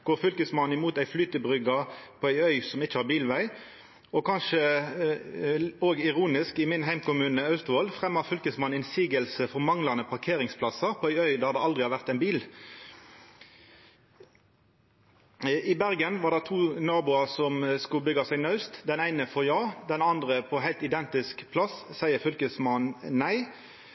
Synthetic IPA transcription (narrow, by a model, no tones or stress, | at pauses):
ɡ̥oːʁfʏlkəsmɑnɪmuːt̪æɪflyːt̪əbʁʏɡɑpʰɔæɪœʏsɔmɪt͡ʃːəhɑːʁbiːlʋæɪ | ɔkʰɑnʃə | oːɡɪʁuːnɪskɪmɪnɦæɪmkʊmʉːnəɑʉst̪ʊɔlfʁɛmːɑfʏlkəsmɑnɪnsiːɡəlsəfɔʁmɑŋlɑnəpʰɑʁkʰeːʁɪŋspʰlɑsəpʰɔæɪœʏd̪æd̪ɛɑld̪ʁɪhɑʋæʁt̪æɪnbiːl | ɪbæʁɡənʋɑːʁd̪ɛt̪ʰuːnɑːbʊɑʁsɔmskʉlbʏɡɑsæɪɡnɑʉst̪d̪ɛnæɪnəfɔʁjɑːd̪ɛnɑnd̪ʁəpʰɔɦæɪlt̪ɪd̪ɛnt̪ɪskpʰlɑsːæɪəfʏlkəsmɑnːæɪ